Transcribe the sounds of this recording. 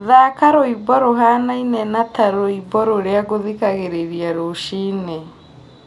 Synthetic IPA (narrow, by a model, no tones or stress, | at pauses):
ðakaɾoibɔɾoɦanainɛnataɾoibɔɾoɾeaɣoðikaɣeɾeɾiaɾoʃiːne